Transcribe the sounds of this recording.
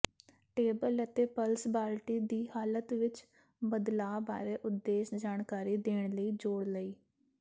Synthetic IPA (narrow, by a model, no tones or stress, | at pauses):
ʈeːbələt̪eːpəlsbaːlʈiːd̪iːhaːlət̪ʋɪt͡ʃ | bəd̪laːba̰ːɾeːʔʊd̪ːeːʃd͡ʒaːɳkaːɾiːd̪eːɳ̃ləiːd͡ʒoːɽləiː